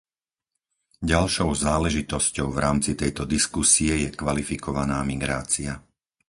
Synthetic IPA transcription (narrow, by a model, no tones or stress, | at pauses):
ɟalʃɔʊzaːlɛʒit̪ɔscɔʊvɾaːmt͡sit̪ɛjt̪ɔd̪iskusiɛjɛkʋalifikɔʋanaːmiɡɾaːt͡sia